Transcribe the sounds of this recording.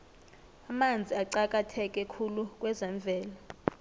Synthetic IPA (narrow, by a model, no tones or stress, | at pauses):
amand͡zʱiaǀak̬ʼatʰɛk̬ʼɛkʰuluk̬ʼwɛzɛɱb̪vʱɛːla